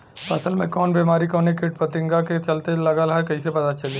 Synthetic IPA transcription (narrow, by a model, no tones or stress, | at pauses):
pɐsəlmẽkɔːnbeːmaːɾikɔːnekɪʈ̚pɐt̪ɪ̃ŋɡaket͡ʃɐlt̪elɐɡalaɦɛkɐisepɐt̪at͡ʃɐleː